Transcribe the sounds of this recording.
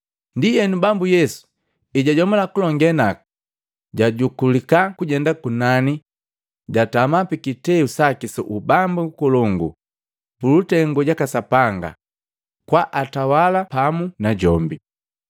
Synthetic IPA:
ndijɛnubambujɛsu̥ | iɟaɟɔmɔlakulɔŋɡɛna | ɟaɟukulikakuɟɛndakunani | ɟatamapikitɛusakisɔ̰ʔubambuukɔlɔŋɡṵ | pulutɛŋɡɔɟakasapaŋɡa̰ | kwaʔatawalapamunaɟɔmbi

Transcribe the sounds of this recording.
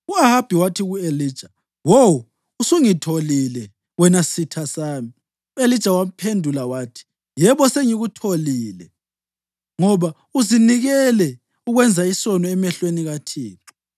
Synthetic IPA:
uaɦab̥ʱiwatʰiɣueliːd̥ʒ̥ʱa | wowu | usuŋitʰolilɛ | wɛnasitʰasaːmi | uelid̥ʒ̥ʱawapʰendʱulawaːtʰi̥ | jɛβɔseŋiɣutʰoliːlɛ̰ | ŋɔβa | uziniɣɛlɛ | uɣwɛnd͡zʱaisɔnɔɛmɛɬweniɣatʰḭːǁu

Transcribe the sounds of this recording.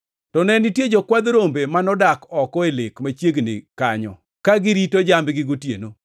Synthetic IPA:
tɔnɛnɪtjed͡ʒɔkwad̪ɾombemanɔdakɔkɔelɪkmat͡ʃjeɡnɪ̰kaɲɔ̰ | kaɡɪɾitod͡ʒambɡɪɡotjḛno

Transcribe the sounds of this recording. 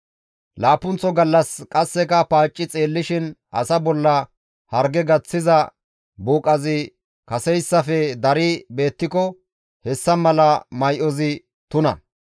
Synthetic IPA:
laːpːʊnt͡sːɔɡɐlːɐskʼɐsːɛkɐpaːt͡ʃʼːɪt͡sʼe̞ːlːɪʃɪnʔɐ̰sɐbɔlːɐ | hɐɾɡɛɡɐt͡sːɪzɐ | buːkʼɐzɪ | kɐsɛjsːɐfɛd̪ɐɾɪbe̞ːt̪ːɪkɔ | hɛsːɐmɐlɐmɐjʔɔzɪ | t̪ʊnɐ̰

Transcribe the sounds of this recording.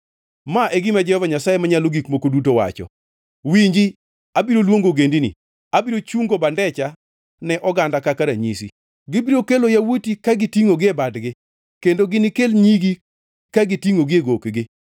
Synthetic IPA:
maʔeɡimad͡ʒɛhɔvaɲasajemaɲaloɡikmokodut̬owa̰t͡ʃɔ̰ | wiɲd͡ʒi | abiɾolwoŋɡoɡendinḭ | abiɾot͡ʃuŋɡobandɛt͡ʃa | nɛʔɔɡandakakaɾaɲḭsḭ | ɡɪbiɾokelojawotikaɡɪtiŋoɡɪebadɡɪ | kendoɡɪnɪkelɲiɡi | kaɡɪtiŋoɡɪeɡokɡɪ

